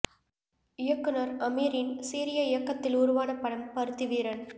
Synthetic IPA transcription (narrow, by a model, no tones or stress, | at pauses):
ɪjɐkːɯnɐɾɐmiːɾɪnsiːɾɪjɐɪjɐkːɐt̪ːɪlʊɾʊʋaːnɐpːɐɽɐmpɐɾɯt̪ːiʋiːɾɐn